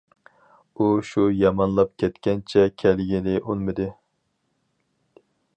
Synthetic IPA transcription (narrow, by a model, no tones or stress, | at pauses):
uʃujɑmɑnlˠɑp̚kʲʰɛt̪kʲɛnt͡ʃʰɛkʲʰɛlɡʲinɪʔolˠmɨd̪ɨ